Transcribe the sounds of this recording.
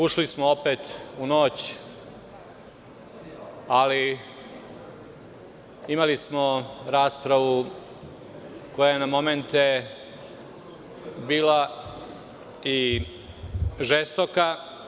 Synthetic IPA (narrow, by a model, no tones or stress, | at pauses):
uʃlismoopeːt̪unoːt͡ɕ | ali | imalismo̞ɾaːspɾaʋu | ko̞jajenamo̞me̞nt̪e | biːla | i | ʒest̪oka